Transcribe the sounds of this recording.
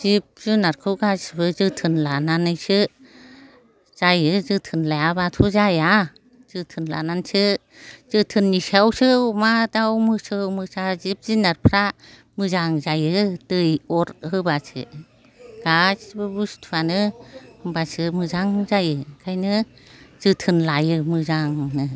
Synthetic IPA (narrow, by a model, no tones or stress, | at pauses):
z̥ip̚zɯnaɾkʰɯwɡazbɯzɯtʰɯnlananɯjsɯ | z̥ajɯzɯtʰɯnlajabatʰuzaja | z̥ɯtʰɯnla̰nansɯ | z̥ɯtʰɯnːisawsɯumadawmɯsɯmɯsazip̚zinaɾpʰɾa | mɯzaŋzajɯdɯjɔɾhɯbasʰɯ̰ | ɡ̥asbɯbustʰuanɯhɯmbasɯmɯzaŋzajɯkʰajnɯz̥ɯtʰɯnlajɯmɯzaŋnɯ